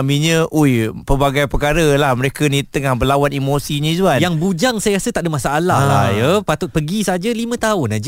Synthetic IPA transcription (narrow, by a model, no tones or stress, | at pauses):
amĩɲə̃ʔujpərbaɡajpərkaɾəlahməɾekənĩt̪əŋahbəlawanimosiɲĩd͡ʒuanjaŋbud͡ʒaŋsajaɾasət̪aʔdəmasaʔalahajəpat̪ʊt̪̚pəɡisad͡ʒalimə̃t̪aʊnad͡ʒ